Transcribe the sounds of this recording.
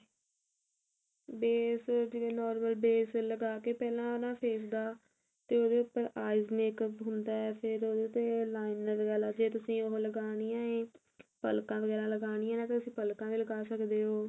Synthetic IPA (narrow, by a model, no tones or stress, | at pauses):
beːsd͡ʒeɡeːnɔːɾməlbeːsləɡaːkeːpɛːlãːonãːpʰeːsd̪aː | t̪eːoːd̪eːʊpːəɾaːɪzmeːkəpɦʊnd̪aːɛːpʰɪɾoːd̪eːʊt̪ːeːlaːɪnəɾɡɛːlaːd͡ʒeːt̪ʊsĩːoɦləɡaːɽ̃iːãːẽː | pəlkãːʋəɡɛːlãːləɡaːɽ̃iːɛ̃ːnãːt̪et̪ʊsĩːpəlkãːʋiːləɡaːsəkd̪eːɦoː